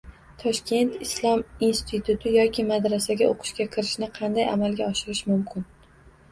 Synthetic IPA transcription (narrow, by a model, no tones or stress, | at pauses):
t̪ʰɒʃkʲʰe̞nt̪ɪslˠɒminst̪ʰɪt̪ʰʊt̪ʰɪjɒkʲʰɪmad̪ɾasaɡʲaʔo̰qʰɨ̥ʃɡʲakʲʰɪɾɪʃnɪqʰɑnd̪aja̰malɡʲaɒʃɪɾɪʃmʊmkʲʰɪn